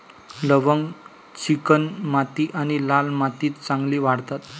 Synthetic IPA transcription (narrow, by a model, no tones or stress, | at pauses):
ləʋəŋɡ | t͡ɕikənmat̪iːʔaɽ̃ilalmat̪iːt̪t͡sãŋɡliːʋaɽt̪at̪